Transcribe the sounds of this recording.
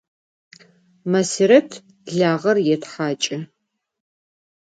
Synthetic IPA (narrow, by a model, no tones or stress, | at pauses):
maseɾɐtʰ | ɮaːʁɐrjɛtħaːt͡ʃʼɪ